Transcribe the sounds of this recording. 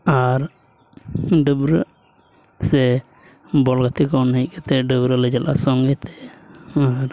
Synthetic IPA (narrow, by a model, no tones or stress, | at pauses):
aɾ | ɖəbɾə | sɛ | bɔlɡat̪ikɔnəkɛt̪ʰɛɖəbɾələd͡ʒalʔa̰sɔŋɡit̪ɛaɾ